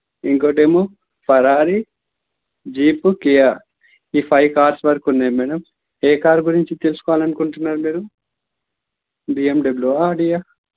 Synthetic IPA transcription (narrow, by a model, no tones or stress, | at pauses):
iŋkoːʈ̬eːmoː | pʰɐɾaːɾi | d͡ʒiːpukija | iːpʰɐjkaːɾsʋɐɾkunːemɛːɽɐm | eːkaːɾɡuɾiɲt͡ʃit̪elusu̥kɔʋaːlɐnukuɳʈunːaːɾumiːɾu | biːemɖɐbluaːɖija